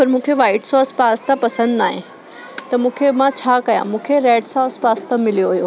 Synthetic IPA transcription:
pɐɾmũːkʰeʋaːɪʈsɔːspaːst̪ãpɐsə̃nd̪naːɦḛ̃ | t̪ɐmũːkʰemãt͡ɕʰaːkɐjã̰mũːkʰeɾeːɖsãːspaːst̪ãmɪlijoɦujoː

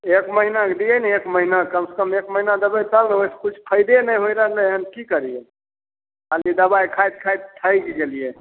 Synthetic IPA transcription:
ekməɦinaked̪iənekməɦinakəmse̥kəmekməɦinad̪əbəjt̪əlɾəɦojskut͡ʃʰpʰəɪd̪enəjɦojɾəɦlɛeɦənkikəɾije | kalid̪əbajkʰajd̪̚kʰajd̪̚t̪ʰəjkɡelije

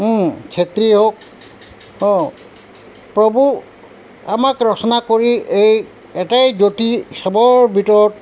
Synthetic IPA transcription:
kʰetɹiɦok̚ | hɔ̃ | pɹobu | amakɹɔsɔnakoɹiej | ɛtajzotixɛbɔɹbʱitɔɹɔt

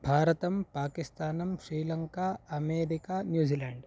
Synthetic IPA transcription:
bʱaːɾɐt̪ɐmpaːkist̪aːnɐmʃɾiːlɐŋkaːɐmeːɾikaːnjuːd͡ʒilaːɳɖ

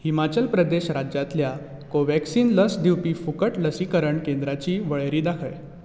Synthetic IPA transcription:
himat͡ɕəlpɾəd̪eɕɾad͡ʑat̪lja | koʋɛksiːnləsd̪ʱiwpiːfukəʈləsikəɾəɳkend̪ɾat͡ɕiːʋəɭɾiːd̪akʰəj

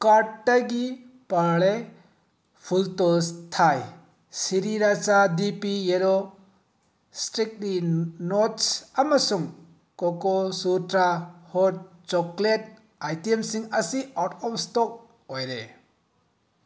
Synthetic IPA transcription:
kaɾːaɡi | paɾle | pʰultɔstʰaj | siɾiɾat͡ʃadipijeɾo | stɾik̚linɔtsamasuŋ | kɔkɔsutɾahɔt̚t͡ʃɔklet̚ | ajtemsiŋɐsiʔatʰɔpstɔk̚ | ojɾe

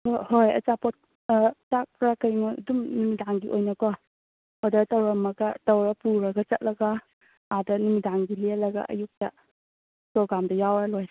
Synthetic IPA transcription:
ohojɐ̰t͡ʃapɔt̚ | tak̚ɾɐkɐjmuɐ̰dumnumidaŋɡiʔojnɐkɔ | hɔdɐtɐwɾɐmɐɡɐtɐwɾɐpuɾɐɡɐt͡ʃɐt̚lɐɡɐ | adɐnumidaŋɡilelɐɡɐ̰ʔɐ̰juk̚tɐ | pɾoɡɾamdɐjawɾɐloj

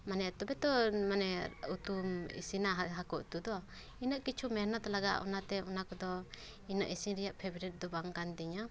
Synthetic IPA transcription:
manɛt̪ɔbɛt̪ɔmanɛut̪umḭsinaɦɦakɔʔut̪ud̪ɔ | inaʔkit͡ʃʰumɛɦnat̪ɔlaɡa̰ʔɔ̰nat̪ɛɔnakɔd̪ɔ | ina̰ʔisiɾijaʔpʰebiɾit̪̚d̪ɔbaŋkand̪iɲa

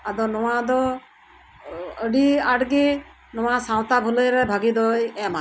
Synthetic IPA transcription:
ad̪ɔnɔwãd̪ɔ | əɖiaɖɡi | nɔwasãwt̪abʱuləjɾɛbʱaɡid̪ɔjɛ̃ma

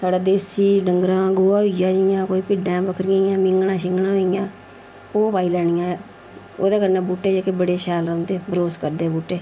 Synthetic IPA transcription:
saːɖaːd̪eːsiːɖəŋɡɾãːɡoːaːɦoijãːd͡ʒɪjãːkoːiːpiːɖãbəkʰɾɪjãːɪjãːmɪ̃ŋɡɽãːʃɪŋɡɽãːɦoːɪjãː | oːpaːiːlɛːɽ̃ɪjãː | oːd̪eːkəɾnãːbuːʈːeːd͡ʒaːkebəɽeːʃɛːlɾə̃ːnd̪eːbəɾoːskəɾd̪eːbuːʈeː

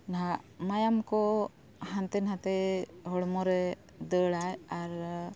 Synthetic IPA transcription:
nɦamajamkɔ | hãnt̪ɛnɦãt̪ɛɦɔɽmɔɾɛ | d̪əɽajaɾ

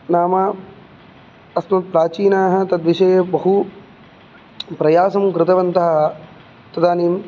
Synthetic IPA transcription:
naːmɐ | ɐsmɐd̪̚pɾaːt͡ʃiːnaːɦɐ̆t̪ɐd̪ʋiʃɐjɐbɐɦu | pɾɐjaːsɐmkɾɪt̪ɐʋɐnt̪ɐɦɐ | t̪ɐd̪aːniːm

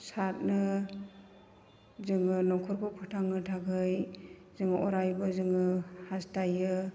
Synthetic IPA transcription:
sat̚nɯ | zɯŋɯnɔkʰɔɾbʰɔpʰɔtʰaŋɯtʰaɡɯj | zɯŋɯʔɔɾajbɯzɯŋɯhastajɯ

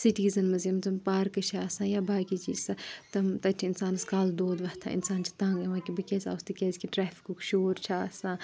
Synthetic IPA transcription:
siʈiːzɐnmɐzijɐmzɐmpaːɾkɐt͡ʃʰaːsãːjaːbaːkit͡ʃḭːzsat̪ɐmt̪ɐt͡ʃʰiɪnsaːnskaːld̪oːd̪ʋɐht̪ʰa̰ːɪ̰nsaːnt͡ʃʰi̥t̪ãːŋɡɐʋãːkʲibɨkʲɛːsa̰ːʋst̪ɨkʲeːzkʲʰiʈɾaːfʰi̥kukʃoːɾt͡ʃʰaːsãː

